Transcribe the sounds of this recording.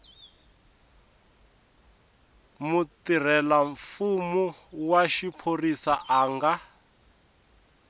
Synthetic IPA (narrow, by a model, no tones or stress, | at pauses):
mut̪ir̤ɛlaɱfumuwaʃipʰorisaʔaːŋɡa